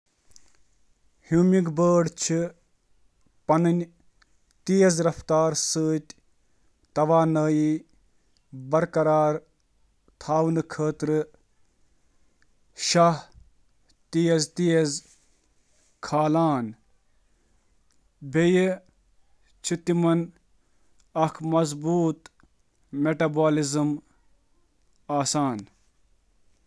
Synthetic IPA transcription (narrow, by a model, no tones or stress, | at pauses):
hjuːmiɡbəːɖt͡ʃʰi | pɐnɨnʲ | t̪ijɐzɾɐft̪aːɾsəːt̪ʲ | t̪ɐʋaːnəːji | bɐɾkɐɾaːɾ | t̪ʰaːʋnɨkʰəːt̪ɾɨ | ʃaɦ | t̪ijezt̪ijez | kʰaːlaːn | bʱeje | t͡ʃʰit̪imɐn | ɐkʰmɐzbuːt̪ | meʈɐbaːlizɨm | aːsaːn